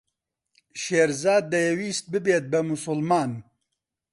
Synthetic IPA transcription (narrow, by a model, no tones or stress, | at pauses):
ʃeːɾzaːd̪ːɐjɛwiːst̪̚bɨbeːt̪̚bɛmʊsʊlmaːn